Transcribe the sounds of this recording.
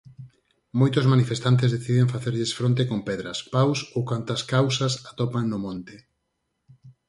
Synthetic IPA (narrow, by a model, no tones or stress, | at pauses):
mojt̪ʊzmanifest̪ant̪̬ezðeθiðeŋfaθeɾʎesfɾont̪̬ekompɛðɾɐspawsowkant̪ɐskawsɐsat̪opaŋnʊmõnt̪ɪ